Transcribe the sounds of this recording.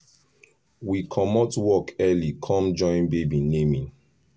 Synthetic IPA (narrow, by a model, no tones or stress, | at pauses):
wikʰɔmɔtwɔkɛlikʰɔ̃md͡ʒɔ̃j̃nbebinẽmĩn